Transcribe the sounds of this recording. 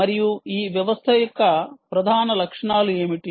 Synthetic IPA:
ɐɾijuiːʋjɐʋɐst̪ʰɐjɐkːɐpɾɐd̪ʱaːnɐlɐkʂɐɳaːlujeːmiʈi

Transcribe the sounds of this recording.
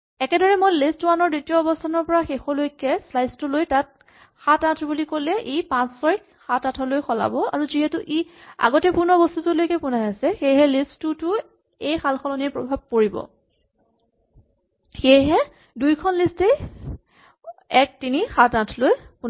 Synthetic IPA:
ɛkɛdɔɹɛmojlistuwanɔɹditijɔɔbɔstʰanɔɹpɔɹaxexɔlojkːɛslajstʊlojtat̚ | xatãtʰbulikolɛʔejpãssɔɹik | xatatʰɔlojxɔla̰bɔa̰ɹuziɦɛtʊʔia̰ɡɔtɛpunɔbɔstutulojkɛpʊnajasɛxejɦɛlistutʊ | ejxalxʰɔlɔnepɹɔbʱab̚koɹibɔ̰ | xejɦɛ | dujkʰɔnliste | ɛk̚tinixatãtʰlojpun

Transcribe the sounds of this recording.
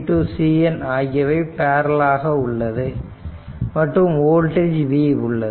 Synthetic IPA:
ʈːusiːɐnaːɣɪɐʋɐɪpaːɾɐlaːɣɐʊɭːɐðɯ | mɐʈrɯmoːlʈed͡ʒʋiʊɭːɐ

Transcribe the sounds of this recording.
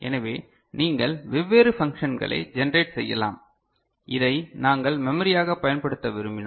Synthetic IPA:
ʔɛ̰nɐʋeː | niːŋɡɐɭʋɪʋːeːɾɯfɐŋkʂɐnɡɐ̰ɭɐ̰ɪd͡ʒɛnɐɾeːʈsɛjːɐ̰la̰ːm | ʔɪðɐɪnaːŋɡɐɭmɛmɐɾɪjaːɣɐpːɐjɐnpɐɽɯt̪ːɐʋɪɾɯmbɪn

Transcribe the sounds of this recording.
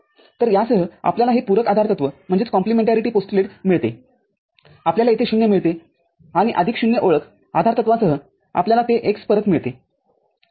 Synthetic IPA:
t̪əɾjasəɦəa̰pljalaɦipuɾəkad̪ʱaɾt̪ət̪ʋəm̤əɳd͡zet͡skɔ̃mplimeɳʈaɾiʈiːposʈuleʈmiɭt̪e | apljalaet̪ʰeɕunːjemiɭt̪e | aɽ̃iʔəd̪ʱikɕunjəʔoɭək | ad̪ʱaɾt̪ət̪ʋasəɦə | a̰pljalat̪eʔekspəɾət̪miɭt̪e

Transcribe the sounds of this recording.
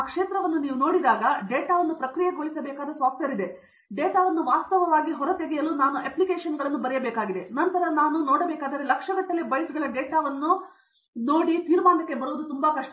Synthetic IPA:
aːkʂeːt̪ɾɐʋɐnːuniːʋuno̞ːɽid̪aːɡɐɖeːʈaːʋɐnːupɾɐkɾijɐɡoɭisɐbɛːkaːd̪ɾɐsʋaːpɐɾid̪e̞ | ɖeːʈaːʋɐnːuʋaːst̪ɐʋɐʋaːɡiɦɔɾɐt̪eɡɛjɐluːnaːnuʔeplikeːʂɐnɡɐɭɐnːubɐɾɛjɐbɛːkaːɡid̪e̞nɐnt̪ɐɾɐnaːnunoːɽɐbɛːkaːd̪ɐɾelɐkʂɐʋɐʈ̪ːɐlebɐjsɡɐɭɐɖeːʈaːʋɐnːu | noːɽit̪iːɾmaːnɐkːe̞bɐɾuʋɐd̪ut̪umbɐkɐʂʈɐ

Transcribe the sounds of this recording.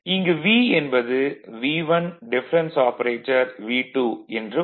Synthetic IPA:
ɪŋɡɐʋiːɛnbɐðɯʋiːʋɐnɖɪfɐɾɐnsaːpɐɾeːʈːɐɾʋiːʈːuːɛndrɯ

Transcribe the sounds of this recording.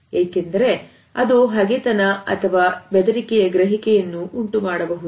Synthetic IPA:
eːkend̪ɐɾe̞ | ɐd̪uɦɐɡet̪ɐnɐɐ̰t̪ʰɐʋaːbɛd̪ɐɾikɛjɐɡɾɐɦikɛjɐnːuʔuɳʈumaːɽɐbɐɦud̪u

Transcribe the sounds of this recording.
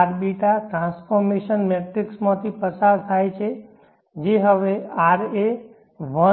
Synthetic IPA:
aɾbiʈaʈɾãnsfɔɾmeʃənmeʈɾɪksmãt̪ʰipəsaɾt̪ʰajt͡ʃʰe | d͡ʒeɦəʋeaɾe | ʋə

